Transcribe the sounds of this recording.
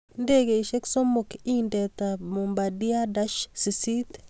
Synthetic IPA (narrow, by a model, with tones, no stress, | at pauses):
nde˦ɡe˨ʃe˦kso˦mʊ˨ki˦ndɛ˨t̪a˨mo˨mba˨di˦a˦da˦ʃsi˨si˦t̪